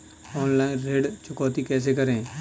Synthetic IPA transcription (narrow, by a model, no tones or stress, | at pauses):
ɔːnlaːɪnɾeːɽt͡ʃʊkɔːt̪ikɛːs̬ekɐɾẽː